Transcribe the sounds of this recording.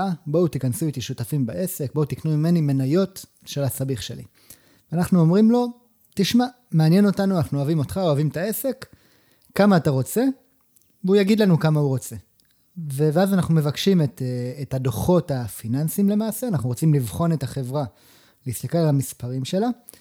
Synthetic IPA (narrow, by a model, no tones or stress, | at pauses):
abo̞ut̪ikansuit̪iʃutafimbaʔe̞se̞k̚bout̪iknumime̞nime̞najo̞t | ʃe̞lasabiχʃe̞̰lḭ | veanaχnuo̞mʁimlo̞ | t̪iʃma | meanje̞no̞tanuanaχnuoavimo̞t̪χaoavimt̪ae̞se̞kː | amaːtaʁo̞t͡se̞ | veujaɡid̪lanukamauʁo̞t͡se̞ | veveazanaχnume̞vakʃimetːtadoχo̞tafinansimle̞maːseanaχnuʁot͡simlivχo̞ne̞t̪aχe̞vʁa | liist̪akelalamispaʁimʃe̞la